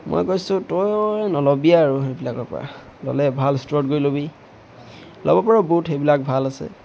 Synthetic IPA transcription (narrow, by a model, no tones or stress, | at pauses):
mo̰jkojsʊ̃tɔjnɔlɔbiaːɹuxejbilakɔɹpɔ̰ɹa̰ | lɔ̰lɛbʱalstɹɔt̚ɡojlobi | lʔɔ̰bɔpɔɹabutxejbilak̚bʱalasɛ̰